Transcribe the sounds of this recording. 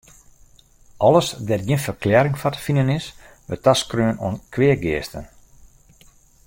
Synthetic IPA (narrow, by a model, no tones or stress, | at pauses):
ʔɔləsdɛtjiənfərklɛəɾɪŋfatə̥finənɪs | ʋətaskrøːəno̰ənkʰwɪəɡɪəstən